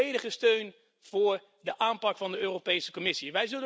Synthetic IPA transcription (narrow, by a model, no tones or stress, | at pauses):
ejdəχəstøɥn | v̥ʊːɹ | dəʔaːmpɑkfɑndəøːropejsə̥kɔmɪsiʋɛjzɵlə